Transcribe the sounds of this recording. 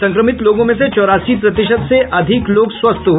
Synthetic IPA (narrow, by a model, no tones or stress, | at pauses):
sɐ̃ŋkɾəmɪt̪loːɡõmẽset͡ʃɔːɾaːsipɾɐt̪ɪʃəd̪seʔɐd̪ʱɪkloːɡswɐst̪ʰɦ